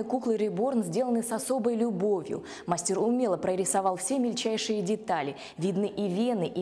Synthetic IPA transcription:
ɨjkuklˠɨɾʲɪbo̞rnzʲdʲe̞lˠənɨsɐso̞bəjlʲʊbo̞vʲjʊ̰ | masʲtʲiɾʊmʲelˠəpɾəɾʲɪsɐvɑlˠfsʲe̞mʲɪlʲt͡ɕæjʂɨjədʲɪt̪alʲɪ | vʲid̪nɨʔivʲenɨʔi

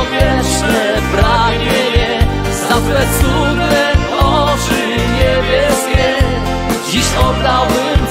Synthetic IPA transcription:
vʲjɛʂnɛ | pɾaɡɲɛɲɛ | zafwɛsunɛ | ɔt͡ʂɨ | ɲɛbʲjɛskʲɛ | d͡ʑiɕɔbɾawɪ

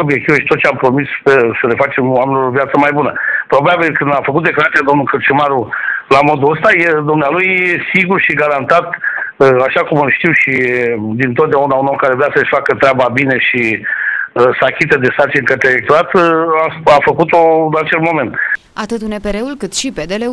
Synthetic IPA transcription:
obje̞k̚t̪iveʃi̥t̪ot̪̚t͡ʃeampɾo̞mispesəle̞fat͡ʃe̞mowameniloovjat̪səmajbunəpɾo̞babilkɨnd̪afəkut̪̚d̪eklaɾat̪sijad̪o̞mnulkɨrt͡ʃimaɾulamo̞d̪uəst̪ajed̪umnealujesiɡurʃiɡaɾant̪at̪aʃakumɨlʃt̪iwʃid̪int̪ot̪̚d̪eaunaunokaɾevɾeasəʃʲfakət̪ɾeababine̞ʃi | sakʲit̪əd̪e̞sart͡ʃinʲkət̪ɾeelek̚t̪oɾat̪aafəkut̪oɨnat͡ʃe̞lmo̞me̞nt̪ | at̪ɨt̪unepeɾeulkɨt̪ʃiped̪ele

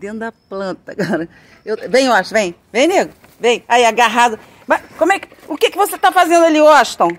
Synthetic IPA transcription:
d̪ẽnt̪d̪ɐplɐ̃nt̪ɐɡɔɾɐ | ewvẽj̃aʃvẽj̃vẽj̃neɡɾʊ | vẽj̃ajaɡaɦad̪ʊ | mɐkõmwɛkɪ | ʊkekɪvoset̪afazẽnd̪aliɔʃt̪ɐ̃w̃

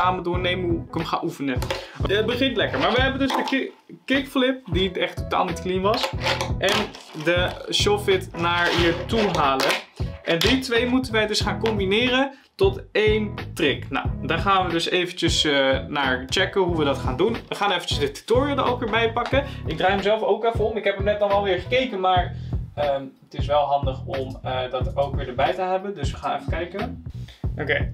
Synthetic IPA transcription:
aːmədʊːɹnejməɦuɪkəmχa̰ːnʔufənəət̚bəχɪntlɛkəɹmaːɹʋəɦɛbəndøzdə | kɪkflɪp̚diɛχtːota̰ːlˠnitklinʋɑsʔɛndəʃofɪtnaːɹʋiːɹtuɦaːləʔɛndɪtʋejmutənʋəjdɵsχaːnkɔmbinɪːrən | tɔtejntrɪkna̰wdaːɹχaːnʋədɵsejvəncəsənaːɹt͡ʃɛkəɦuʋədɑtχaːndunʋəχaːnejfəncəsdəty̥toːɹijodə̰owkʋɪːɹbɛjpɑkəɪɡ̚draːjɦəmzɛlˠfowkɛfəɔmɪkɦɛpɦəmnɛt̚ɔnɑlˠʋɪːɹχəkejkənmaːɹəmətɪsʋɛlˠɦɑndəχɔmədɑtowkʋɪːɹdəɹbɛjtəɦɛbəndɵsʋəχaːnɛfəkɛjkə | ʔokej

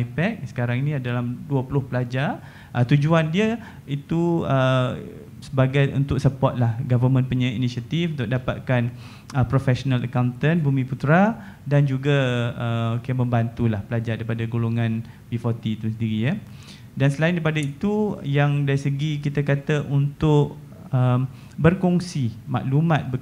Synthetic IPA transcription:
ajpɛk̚sə̥kaɾaŋinĩadalamduəpulʊhpəlad͡ʒa | ʔət̪ud͡ʒuandiə | it̪uə | səbaɡajʔṵnt̪ʊk̚səpɔt̪̚lahɡavəmə̃npəɲãḭnisiat̪ifunt̪ʊk̚dapa̰t̪̚kan | əpɾofɛsonaləkawnt̪ənbumĩput̪ɾa | dand͡ʒuɡaəkiəmə̃mbant̪ulahpəlad͡ʒaɾdaɾipadaɡoloŋãn | bifɔt̪it̪usəndiɾijə | dansəlaindaɾipadait̪ujaŋdaɾisəɡik̬it̪akat̪aʔunt̪ʊʔ | əm | bərkɔŋsima̰ʔlumãt̪̚bə

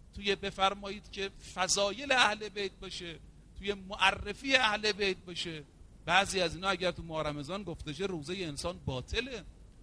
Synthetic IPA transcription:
t̪ʰujebe̞fæɾmɒːjiːd̪̥cʰe̞fæzɒːje̞leæhle̞bejt̪̚bɒːʃe | t̪ʰuje̞moʔærːefiːeæhlebejt̪̚bɒːʃe | bæʔziːæziːnhɒːæɟæɾt̪ʰumɒːɾæmezɒːnɡoft̪eʃ̬eɾuːzejeːnsɒːnbɒːt̪ʰe̞le

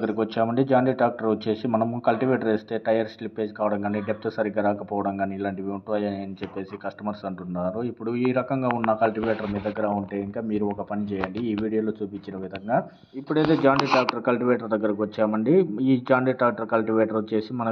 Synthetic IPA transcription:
ɐɡːɐɾɐkiʋɐt͡ʃːaːmɐɳɖid͡ʒaːɳɖiːʈaːk̚ʈɐɾut͡ʃe̞ːsimɐnɐmukɐlʈiʋeːʈɐɾeːst̪e̞ːʈɐjɐɾslipːe̞ːd͡ʒkaːʋɐɽɐŋɡaːniɖep̚t̪ːsɐɾiɡɐɾaːkɐpɔːʋɐɽɐŋɡaːniilaːɳʈiʋeuɳʈuɐjɐnjɐnit͡ʃɛpːe̞ːsikɐʂʈɐmɐɾsɐɳʈunːaːɾuipːuɽuiːɾɐkɐŋɡaːunːɐkɐlʈiʋeːʈɐɾmiːd̪ɐd̪ɐɡːɐɾauɳʈeːiŋkaːmiːɾuɔkɐpɐnit͡ʃɛːjɐɳɖiːʋiːɽijoːlo̞ːt͡ʃuːpit͡ʃːinɐʋid̪ʱɐŋɡaː | ipːuɽeːt̪eːd͡ʒaːɳɖiːʈaːk̚ʈɐɾkɐlʈiʋeːʈɐɾd̪ɐɡːɐɾɐk̬iʋɐt͡ʃːaːmɐɳɖiiːd͡ʒaːɳɖiːʈaːk̚ʈɐɾkɐlʈiʋeːʈɐɾt͡ʃe̞ːsimɐnɐ

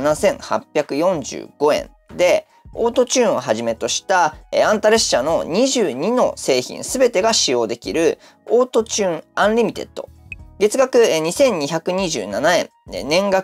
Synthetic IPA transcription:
nasẽ̞ɰ̃ha̰pʲːjakɯ̟jõ̞ɲ̟d͡ʑɨ̰ːɡ̥o̞ẽ̞̰n | d̪e̞ | o̞ːt̪o̞t͡ɕɨːɰ̃oɦaʑime̞t̪o̞ɕi̥t̪aeãnt̪aɾe̞ɕano̞̰ɲ̟iʑɨːɲ̟ino̞se̞ːçḭ̃ɰsɨbe̞t̪e̞ɡaɕijo̞ːd̪e̞kʲiɾɯ̟ | o̞ːt̪o̞t͡ɕɨːɴãɰɾʲimʲit̪e̞̰t̪ːoɡe̞t͡sɨɡakɯ̟ɲ̟isẽ̞ɲ̟ːiçakɯ̟ɲ̟iʑɨ̰ːnanaẽ̞̰n | nẽ̞ŋɡa

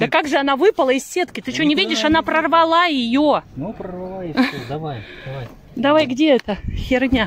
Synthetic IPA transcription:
d̪əkaɡʐɨɐnavɨpəlˠəɪsʲsːʲe̞t̪kʲɪt̪ɨt͡ɕɪonʲɪvʲidʲɪʂɐnapɾərvɐlˠajɪjonupɾərvɐlˠad̪ɐvajd̥̪ɐvaj | d̪ɐvajɡdʲeɛt̪əxʲɪrnʲa

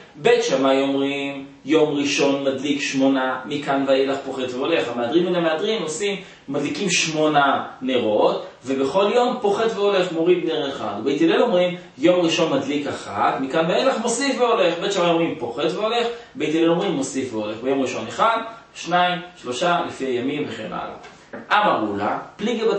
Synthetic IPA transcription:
bejt̪ʃamajomʁim | jo̞mʁiʃo̞nmadlikʃmo̞namikanveajelaχpo̞χet̪veo̞le̞χameadʁimbenamead̪ʁimo̞simː | adlikimʃmo̞naneʁo̞tve̞be̞χo̞ljo̞mpo̞χet̪veole̞χmo̞ʁid̪neʁeχa̰d̪bejt̪elelo̞mʁim | jo̞mʁiʃo̞nmad̪likaχat̪mikanveajelaχmo̞sifveole̞χbet̪ʃamaoʁimpo̞χet̪veo̞le̞χbejt̪elelo̞mʁimːo̞sifveo̞leχbejo̞mʁiʃo̞neχad̪ | ʃnaimʃlo̞ʃalifiajamimveχḛna̰la̰ | ʔamaʁula̰pliɡeba

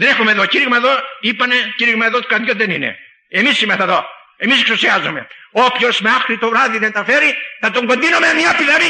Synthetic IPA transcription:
ðenexomeðociɾiɣmɐeðoipɐneciɾiɣmɐeðot̪o̥kɐðjoðenḭnḛ | emisimeθɐðo̞̰ | emiseksusiazo̰me̞̰opço̞zmeaxɾit̪ovɾaðiðent̪ɐfeɾiθɐt̪oŋɡond̪inomemɲɐpiðɐɾi

